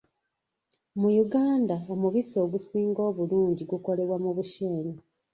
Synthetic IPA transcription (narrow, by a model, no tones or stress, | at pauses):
mujuɡaːndaomuβiso̞ːɡusiːŋɡo̞ːβuluːɲɟiɡuko̞le̞βwamuβuʃeːɲi